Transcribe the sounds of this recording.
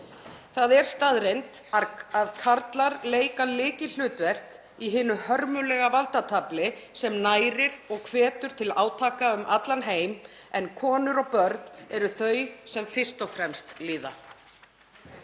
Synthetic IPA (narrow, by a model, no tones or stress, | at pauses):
θaðɛɾ̥st̪aðɾejnt̪ | aaðkʰaɾt̪laɾleːjkalɪːcɪl̥ʏːt̪vɛr̥k | iɦɪːnːʏhœɾmʏlɛɣavalt̪at̪ʰaplɪsɛmnaːjɾɪɾɔɣkʰvɛːt̪ʏɾ̥t̪ʰɪlaːwt̪ʰaːkaʏmʔat̪lanɦeːjmɛnkʰɔːnʏɾɔɣpœɾt̪nɛɾʏθœɥsɛmfɪst̪ɔfɾɛmst̪liːða̰